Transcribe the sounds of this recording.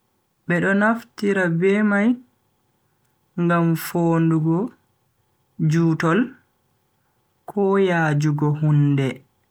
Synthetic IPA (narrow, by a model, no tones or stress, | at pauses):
ɓɛɗɔnaftiɾabɛmaj | ŋɡamfoːnduɡɔ | d͡ʒuːtɔl | kʰɔjaːd͡ʒuɡɔɦundɛ